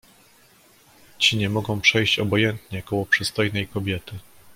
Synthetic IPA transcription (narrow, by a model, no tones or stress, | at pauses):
t͡ɕiɲɛmɔɡɔ̃w̃pʂɛjɕt͡ɕɔbɔjɛnt̪ɲɛkɔwɔpʂɘst̪ɔjnɛjkɔbʲjɛt̪ɘ